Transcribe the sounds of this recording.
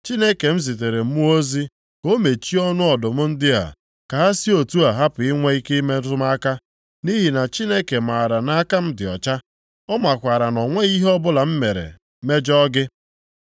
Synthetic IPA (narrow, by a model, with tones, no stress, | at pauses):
t͡ʃi˦ne˦ke˨m̩˦zi˨t̬e˨ɾe˨m̩˦mu˦o˦zi˦ | ko˦me˨t͡ʃi˦ɔ˦nʊ˦ɔ˨dʊ˨mʊ˦n̩˦dɪ˦a̰˨ | ka˨ɦa˦si˦o˨tu˦a˨ɦa˦pʊ˨ɪ˦ŋʷe˦i˦ki˦me˦tʊ˦ma˦ka˦ | ni˦ɦi˨na˨t͡ʃi˦ne˦ke˨ma˨ɾa˨na˦a˦ka˦m̩˦dɪ˨ɔ̰˨t͡ʃa˦ | ɔ˦ma˨kʷa˨ɾa˨nɔ˨ŋʷe˦i˦ɦɔ˦bʊ˦la˨m̩˦me˨ɾḛ˨ | me˦d͡ʒɔ˦ɡɪ˦